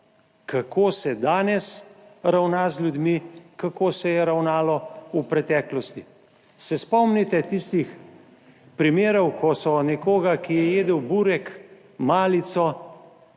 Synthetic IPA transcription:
kakʰoːsɛd̪aːnɛsɾawnazlʲjud̪mikakoːsɛjɛɾawnaːlɔupɾɛt̪ɛːklɔst̪i | sɛspɔmnit̪ɛt̪ist̪ix | pɾimeːɾɔwkɔsɔnɛkoːɡakijɛjeːd̪əwbuːɾɛk | maːlit̪sɔ

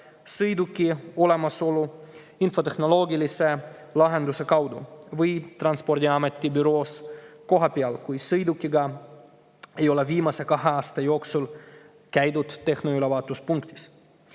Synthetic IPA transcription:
sɯjd̪ukːio̞lemɑso̞lu | info̞t̪exno̞lo̞ːɡiliselɑɦe̞nd̪usekɑwd̪ṵvɯjt̪rɑnspo̞rd̪ʲiɑmet̪ʲːibyɾo̞ːsko̞ɦɑpiɑlkujsɯjd̪ukːiɡɑ | ejo̞leviːmɑsekɑɦeɑːst̪ɑjo̞ːksul | kæjd̪ut̪ːe̞xnoylevɑːt̪ːˑuspuŋkt̪i̥s

